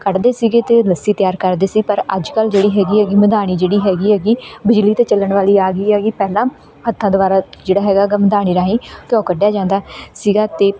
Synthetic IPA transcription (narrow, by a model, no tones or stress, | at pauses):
kəʈd̪eːsiːɡeːt̪eːləsiːt̪jaːɾkəɾd̪eːsiːpəɾəd͡ʒkəld͡ʒeːɽiːɦɛːɡiːɦɛːɡiːməd̪aːɽ̃iːd͡ʒeːɽiːɦɛːɡiːɦɛːɡiːbɪd͡ʒliːt̪eːt͡ʃələɳʋaːliːaːɡiːɛːɡiːpɛːlãː | hət̪ʰːãːd̪ʊʋaːɾaːd͡ʒeːɽaːɦɛːɡaːɡəːməd̪aːɽ̃iːɾaːɦĩːk̪jɔ̃ːkəɖjaːd͡ʒãːnd̪aːsiːɡaːt̪eː